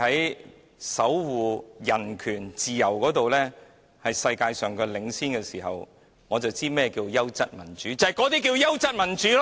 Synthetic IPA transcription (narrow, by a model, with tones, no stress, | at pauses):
ɐ˨˥j | sɐ˨˥wwuː˨jɐ˨˩nkʰyː˨˩nt͡siː˨jɐ˨˩wkɔː˨˥t̪o˨wlɛː˥ | hɐ˨jsɐ˧jkaː˧jsœː˨ŋkɛ˧lɪ˨˥ŋsiː˥nkɛː˧siː˨˩ɦɐ̰˨w | ŋɔː˨˧t͡sɐ˨wt͡siː˥mɛː˥kiː˧wjɐ˥wt͡sɐ˥t̚mɐ˨˩nt͡ʃyː˨˥t͡sɐ˨hɐ˨˩jkɔː˨˥t̪iː˥k̬iː˧wjɐ˥wt͡sɐ˥t̚mɐ˨˩nt͡ʃyː˨˥l